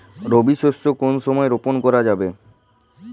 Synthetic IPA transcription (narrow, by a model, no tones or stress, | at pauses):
ɾobiʃoʃt͡ɕokonʃɔmɔeɾoponkɔɾad͡ʑabe